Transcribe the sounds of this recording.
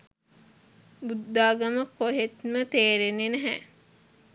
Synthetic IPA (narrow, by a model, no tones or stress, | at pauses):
bud̪ːaːɡɐməkːoɦet̪mət̪eːɾenːenɛɦæ